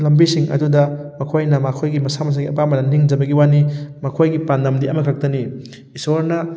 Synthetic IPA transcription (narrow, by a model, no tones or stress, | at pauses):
lɐmbisiŋʔɐ̰dudɐmɐkʰojnɐmakʰojɡimɐsamɐs̬aɡiɐpamɐnɐniŋd͡ʒɐbɐɡiwanimɐkʰojɡipandɐmdiɐmɐkʰak̚tɐni | isoɾnɐ